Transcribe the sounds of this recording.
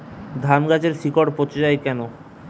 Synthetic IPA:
d̪ʱamɡad͡ʑeɾsikoʈpot͡ɕʰed͡ʑajkɛno

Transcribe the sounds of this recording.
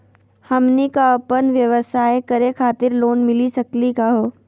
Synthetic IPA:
hɐmnikaəpənʋjɐʋəsaːekɐɾẽkʰaːt̪ɪɾloːnmɪlisɐklikaɦoː

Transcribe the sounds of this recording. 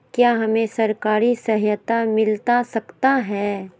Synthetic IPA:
kjaːɦɐmẽsɐɾkaːɾisɐɦjət̪amɪlt̪asɐkt̪aɦɛ̃ː

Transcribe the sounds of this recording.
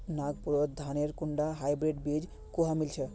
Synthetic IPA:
naɡ̚puɾod̪ʱaneɾkuɳɖaɦajbɾeɖbed͡ʑ | koɦamilt͡ɕʰe

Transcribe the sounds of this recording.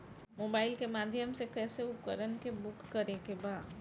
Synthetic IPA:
moːbaːɪlkemaːd̪ʱjəmsekɛːseʊpkəɾənkebʊkːəɾekebaːd̪

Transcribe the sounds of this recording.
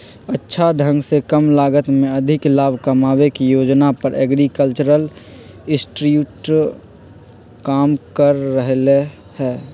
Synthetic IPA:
ətːʃʰaɖʱə̃ŋɡsekəmlaːɡət̪mẽɐd̪ʱɪklaːbʱkəmaːwekijoːd͡ʒnapəɾʔeːɡɾikəlt͡ʃəɾəl | ɪsʈɾjuːʈ | kaːmkəɾːəɦle | hɛː

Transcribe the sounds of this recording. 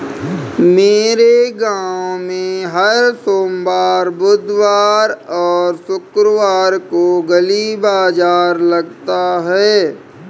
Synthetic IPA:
meːɾeɡaːwmẽɦɐɾsoːmbaːɾbʊd̪ʋaːɾɔːɾsʊkɾəʋaːɾkoɡəlibaːd͡ʒaːɾlɐɡt̪aɦɛː

